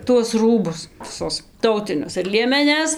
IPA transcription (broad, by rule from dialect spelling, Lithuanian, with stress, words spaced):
tuɔs ˈruːbʊs ʋʲɪˈsʊs ˈtɐʊtʲɪnʲʊs ɪr lʲiɛmʲɛˈnʲɛs